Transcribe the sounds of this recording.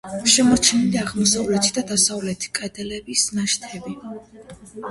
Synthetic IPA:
ʃɛmɔt͡ʃʰɛniliaʁmɔsavlɛt̪ʰid̪ad̪asavlɛt̪ʰi̥kʼɛd̪ɛlɛbisnaʃt̪ʰɛbi

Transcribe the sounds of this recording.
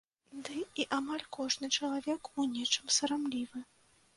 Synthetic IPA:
d̪ɨiʔamalʲkɔʐnɨt͡ʂɐlˠavʲɛkunʲɛt͡ʂɨmsɐɾamlʲivɨ

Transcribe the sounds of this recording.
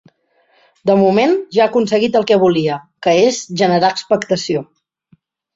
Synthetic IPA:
d̪əmumenʒaəkuns̬əɣit̪əlˠkɛβuliəkəezʒənəɾaəkspəkt̪əsio

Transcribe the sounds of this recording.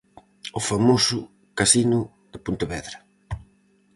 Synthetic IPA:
ʊfamosʊ | kasinʊ | ðɪpunt̪eβɛðɾɐ

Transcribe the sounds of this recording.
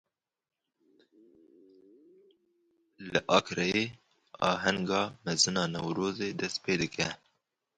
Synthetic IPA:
ləʔɑkɾɛje | ɑ̰ːɦaŋɡɑːmɐzɨnɑːnɐwɾoːzed̪ɐst̪peːd̪əkɛ

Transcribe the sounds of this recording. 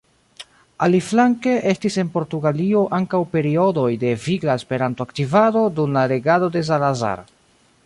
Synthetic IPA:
aliflaŋke̞ʔe̞stise̞npo̞ɾtuɡalio̞ʔaŋkawpe̞ɾio̞do̞jde̞viɡlaespe̞ɾantoaktivado̞dumlaɾe̞ɡado̞de̞s̬alaza̰ɾ

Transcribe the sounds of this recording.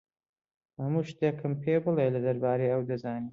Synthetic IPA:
hɐmuːʃt̪eːkʰɨmpʰebɨlelɐd̪ɐɾbaːɾejɐwd̪ɐzaːniː

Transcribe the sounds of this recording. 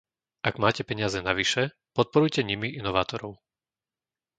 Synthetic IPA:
ʔaɡmaːcɛpɛɲɪazɛnaʋiʃɛ | pɔt̪̚pɔɾujcɛɲimiʔinɔʋaːt̪ɔɾɔʊ

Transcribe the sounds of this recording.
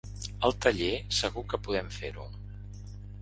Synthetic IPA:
əlˠt̪əʎesəɣ̞ukəpuðɛmfḛɾṵ

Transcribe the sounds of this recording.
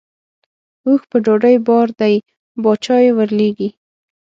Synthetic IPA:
uxpəɖoɖəjbɑɾd̪aj | bɑt͡ʃɑjewəɾleɡi

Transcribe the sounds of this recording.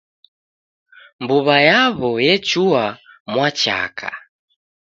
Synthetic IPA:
mbuβajaβɔjɛt͡ʃua | mwat͡ʃa̰kʰa̰

